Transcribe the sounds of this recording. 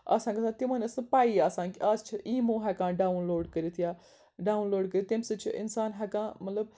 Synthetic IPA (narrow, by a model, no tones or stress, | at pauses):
ɐ̰sãːkɐsaːt̪imɐnʲɐsɨpaːijasãːkiaːst͡ʃʰiiːmõːɦɛkãːɖaːunloːɖkəɾit̪ʰjaː | ɖaːunloːɖkəɾit̪imsɨt͡ʃʰiʔɪ̰nsaːnɦɛkãːmɐt̪ləb